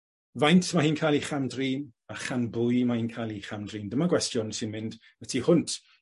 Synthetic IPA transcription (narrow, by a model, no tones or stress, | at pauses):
vajntʰmahiːnkʰajlˠiχandriːnaχanbʊjmahiːnkʰaːlˠiχamdriːndəmaɡwɛstjɔnsɪnmɪnd | ətʰihʊntʰ